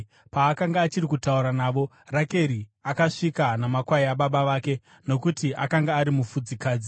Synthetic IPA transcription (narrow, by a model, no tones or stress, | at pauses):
paːkaŋɡaːt͡ʃirikutauɾanaːʋo̞ | rake̞ɾiakaʂikanamakwaiaɓaɓaʋaːke̞ | no̞kutiʔakaŋɡaːɾimufud͡zikaːd͡zi